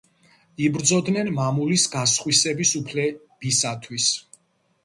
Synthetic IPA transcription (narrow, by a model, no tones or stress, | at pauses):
ibɾd̪zɔd̪nɛnmamulisɡasχwisɛbisupʰlɛ | b̥isat̪ʰwis